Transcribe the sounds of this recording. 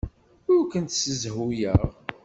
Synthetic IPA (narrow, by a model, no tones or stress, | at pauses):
ʊɾkənt̪səzɦujəʁ